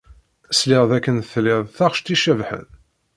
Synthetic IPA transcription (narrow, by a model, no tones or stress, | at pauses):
slɪʁðækːənθlɪðˤθaʁʃt̪iʃævħə̰n